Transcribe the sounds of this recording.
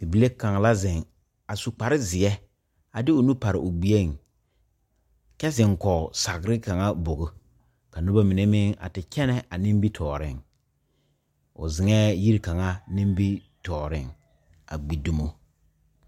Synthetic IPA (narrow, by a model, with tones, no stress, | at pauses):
i˨bi˨le˦ka˨ŋ˨la˦zɪ˨ŋ | a˨su˨k͡pa˨ɾɪ˦zɪ˨ɛ˦ | a˨dɪ˦ʊ˨nu˦pa˨ɾɪ˨ʔʊ˨ɡ͡bi˨e˦˨ŋ | kɛ˦zɪ˨ŋkɔ˨sa˨ɣɾɪ˦ka˨ŋa˦bo˨ɣʊ˦ | ka˨nʊ˦ba˦mɪ˨ne˦mɪ˦ŋa̰˨tɪ˨kɛ˦nɛ˦ʔa˨nɪ˦m˦bi˦tʰɔː˨ɾɪ˦˨ŋ | ʊ̰˨zɪ˨ŋɛː˦ji˦ɾka˨ŋa˦nɪ̃˦mbi˦ | tɔː˨ɾɪ˦ŋ | a̰˨ɡ͡bi˨du˦mo˦